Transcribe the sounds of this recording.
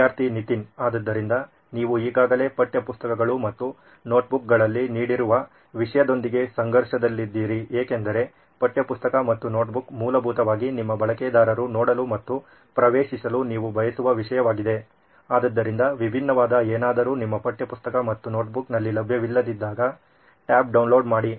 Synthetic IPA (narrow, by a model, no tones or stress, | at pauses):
aːɾt̪ʰinit̪inaːd̪ɐd̪ːɐɾind̪ɐ | niːʋuiːɡaːɡɐle̞ːpɐʈːjɐpust̪ɐkɐɡɐɭumɐt̪ːu | no̞ːʈ̚buk̚ɡɐɭɐlːiniːɽiɾuʋɐ | ʋiʂɐjɐd̪o̞nd̪iɡe̞sɐŋɡɐɾʂɐd̪ɐlːid̪ːiːɾieːke̞nd̪ɐɾe̞ | pɐʈjɐpust̪ɐkɐmɐt̪ːuno̞ːʈbukmuːlɐbʱuːt̪ɐʋaːɡinimːɐbɐɭɐkeːd̪aːɾɐɾunɔːɽɐlumɐt̪ːu | pɾɐʋeːʃisɐluniːʋubʱɐjɐsuʋɐʋiʂɐjɐʋaːɡid̪e̞ | aːd̪ɐd̪ːɐɾind̪ɐʋibʱinːɐʋaːd̪ɐeːnaːd̪ɐɾuːnimːɐpɐʈjɐpust̪ɐkɐmɐt̪ːuno̞ːʈ̚buknɐlːilɐbʱjɐʋilːɐd̪id̪ːaːɡɐ | ʈaːp̚ɖɐwnlo̞ːɖmaːɽi